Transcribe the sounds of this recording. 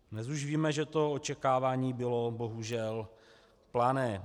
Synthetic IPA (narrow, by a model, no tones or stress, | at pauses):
nɛzuʒviːmɛʒɛt̪o̞ot͡ʃɛkaːvaːɲiːbɪlo̞bo̞ɦuʒɛl | planɛː